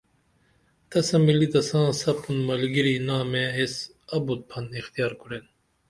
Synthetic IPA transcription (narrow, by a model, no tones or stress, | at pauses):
t̪ɐsɐ̃milit̪ɐsãːsɐpʰunmɐlɡiɾinãːmees | ɐbut̪̚pʰɐnixt̪ijaːɾkuɾen